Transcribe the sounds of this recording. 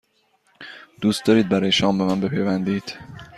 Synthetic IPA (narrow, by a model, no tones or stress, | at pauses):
d̪̥uːst̪d̪ɒːɾiːd̪̚bæɾɒːjeʃɒːmbemænbe̞pʰejvænd̪iːd̪̥